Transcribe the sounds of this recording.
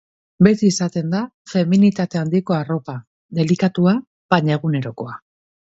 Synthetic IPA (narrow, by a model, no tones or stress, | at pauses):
be̞t̪iːsat̪e̞nd̪a | fe̞minit̪at̪e̞and̪iko̞aro̞pa | ðe̞likat̪ua | paɲaeɣ̞une̞ɾo̞ko̞a